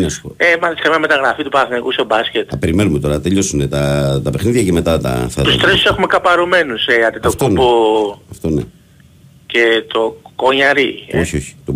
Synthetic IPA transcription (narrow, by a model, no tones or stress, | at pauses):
nɐsu̥poemɐliskɐmiɲɐme̞t̪ɐɣɾafit̪upɐθnikust̪obɐsce̞t̪ɐpeɾime̞numet̪o̞ɾɐt̪eʎo̞sunet̪ɐt̪ɐpe̞xniðʝɐceme̞t̪ɐt̪ɐ̰ft̪ɐt̪ust̪ɾesu̥sexumekɐpɐɾume̞nuseɐt̪it̪oftk̪opoɐft̪one | ce̞t̪o̞koɲɐɾioçioçi̥t̪o